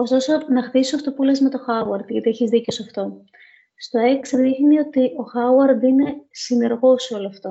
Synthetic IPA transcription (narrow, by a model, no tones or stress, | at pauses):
o̞st̪o̞sonɐxt̪isisɐft̪o̞pulezme̞t̪o̞xɐuɐɾd̪ʝɐt̪ieçizðiceosɐft̪o̞ | st̪o̞e̞ksðixnio̞t̪iʔo̞xɐuɐɾd̪ine̞sine̞ɾɣo̞so̞loɐft̪o̞